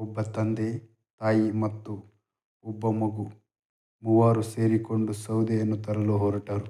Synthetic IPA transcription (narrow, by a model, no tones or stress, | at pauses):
ɔbːɐt̪ɐnd̪e | t̪aːjimɐt̪ːu | ɔbːɐmɐɡu | muʋaːɾuse̞ːɾikoɳɖusɐwd̪ejɐnːut̪ɐɾɐluɦɔːɾɐʈaːɾu